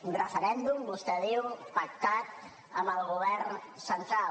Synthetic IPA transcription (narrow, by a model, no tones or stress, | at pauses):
urəfəɾɛnd̪umbust̪ɛðewpək̚t̪at̪̚ | əməlˠɣuβɛɾn | sənt̪ɾal